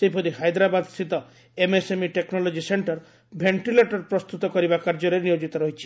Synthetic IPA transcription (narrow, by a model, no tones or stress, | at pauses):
sepɔɾiɦajd̪ɾabad̪sit̪ɔ | emesemiʈeknɔlɔd͡ʒiseɳʈɔɾ | bʱeɳʈileʈɔɾpɾɔst̪ut̪ɔkɔɾibakaɾd͡ʒɔɾenijod͡ʒit̪ɔɾɔɦit͡ʃʰi̥